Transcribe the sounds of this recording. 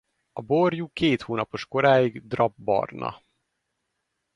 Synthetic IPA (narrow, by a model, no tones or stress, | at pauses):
ɒborjukeːt̪hoːnɒpo̞ʃko̞ɾaːjiɡd̪rɒbːɒ̰rnɒ̰